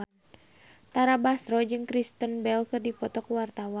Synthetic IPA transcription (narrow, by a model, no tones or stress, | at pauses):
an | t̪aɾabasɾɔd͡ʒɨŋkɾist̪ənbɛlkɨrdipɔt̪ɔkwart̪awa